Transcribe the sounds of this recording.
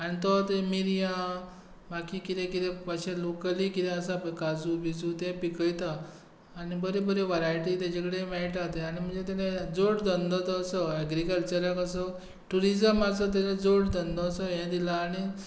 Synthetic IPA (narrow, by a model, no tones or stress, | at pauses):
añit̪ɔt̪emiɾijã | bakikit̪ẽkit̪ɛpaɕɛ̃lokəlikit̪ɛ̃əsapəkad͡zubid͡zũt̪ɛ̃pikəjt̪aː | nibəɾebəɾeʋaɾajʈit̪ɛ̃d͡ʑekɽemaiʈat̪eaɽ̃im̤ənd͡zet̪̬aned͡zoɽd̪ənd̪ɔt̪ɔsəɛɡɾikəlt͡ɕəɾakəs̬ə | ʈuɾid͡ʑəmasət̪̬ad͡ʑẽd͡zoɽd̪ənd̪ɔːsəjɛ̃d̪ilaːɽ̃i